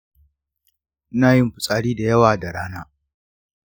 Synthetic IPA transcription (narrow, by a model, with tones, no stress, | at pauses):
naː˦˨jɪ˦mɸʊ˨sʼaː˨ɽiː˦da˨jɐ˦waː˨da˨ɽaː˦naː˦